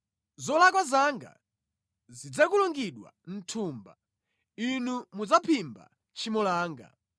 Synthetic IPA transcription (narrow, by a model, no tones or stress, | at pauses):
zɔlakwazaŋɡa̰ | zid͡zakulɔŋɡiɗwa̰n̩tʰuːmba | inumud͡zapʰimba̰ | t͡ʃimɔlaːŋɡa̰